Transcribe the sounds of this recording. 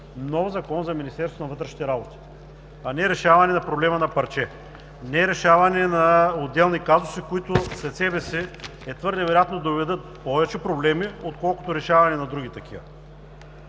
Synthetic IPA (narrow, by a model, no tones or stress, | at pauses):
nɔfzɐkɔnzɐminʲist̪ɛɾsonɐvɤt̪ɾɛʃnit̪ɛɾabot̪i̥ | ɐnɛɾɛʃavɐnɛnɐpɾoblɛmɐnɐpɐɾt͡ʃɛ | nɛɾɛʃavɐnɛnɐod̪ːɛlˠnikazʊsikoit̪ʊslɛt̪sɛbɛsɛ | ɛt̪vɤɾd̪ɛvɛɾojat̪nod̪ovɛd̪ɤt̪̚pɔvɛt͡ʃɛpɾoblɛmiot̪̚kɔlˠko̥t̪oɾɛʃavɐnɛnɐd̪ɾuɡʲit̪ɐkʰivɐ̰